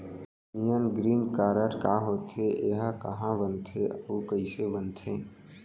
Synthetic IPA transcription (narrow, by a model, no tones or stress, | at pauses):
mijənɡɾiːnkaːɾəɾkaːɦoːt̪ʰeʔeɦakɐɦãbənt̪ʰeokəisebənt̪ʰẽː